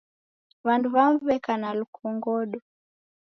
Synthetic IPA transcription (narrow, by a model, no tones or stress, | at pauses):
βanduβamuβɛkanalukʰɔŋɡɔɗɔ